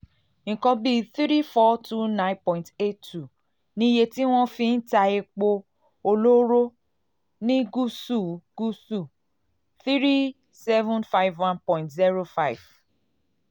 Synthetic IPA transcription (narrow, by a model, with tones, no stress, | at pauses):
ŋ̩˨kɔ̃˧bi˦θɾi˦fɔ˦tu˦nã˦pɔ̃˨ĩ˨nte˦tːu˨ | nĩ˧˦je˧ti˦w̃ɔ̃˦fĩ˧n̩˦ta˧e˧k͡po˧ | o˧lo˦ɾo˦ | nĩ˦ɡu˦su˦˨ɡ̥u˦su˦˨ | θi˦ɾi˦ | sɛ˦vũ˦nfa˦i˦vwã˦npɔ̃˨ĩ˨ntzi˦ɾo˦fa˦jv̥